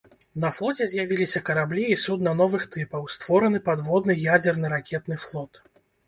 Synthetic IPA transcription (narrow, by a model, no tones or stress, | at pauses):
nɐflˠɔt͡sʲɛzʲjavʲilʲisʲɐkɐɾablʲiːsud̪nɐnɔvɨxt̪ɨpɐwst̪vɔɾɐnɨpad̪vɔd̪nɨjad͡zʲɛrnɨɾakʲɛt̪nɨflˠɔt̪